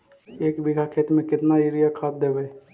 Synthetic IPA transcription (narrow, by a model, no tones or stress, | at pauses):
eːkbɪɡʱakʰeːt̪mẽkɪt̪naiɾijakʰaːp̚d̪eːbe